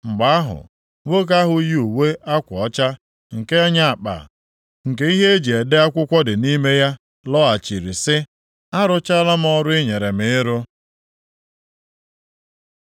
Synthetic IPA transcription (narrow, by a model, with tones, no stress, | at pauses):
ŋ͡m̩˨ɡ͡ba˨a˦ɦʊ̰˨ | ŋʷo˦k̬a˦ɦʊ˨˦ji˦u˨we˦a˦kʷɔ˦t͡ʃa˦ | ŋ̩˨ke˦a˦ɲa˦a˨k͡pa̰˨ | ŋ̩˨ke˦i˦ɦe˦d͡ʒi˨e˨de˦a˦kʷʊ˦kʷɔ˦dɪ˨ni˦me˦ja˦ | lɔ˦a˨t͡ʃi˨ɾi˨sɪ˦ | a˦ɾʊ˦t͡ʃa˦la˦m˦ɔ˦ɾʊ˦ɪ˦ɲe˨ɾe˨mɪ˨˦ɾo˦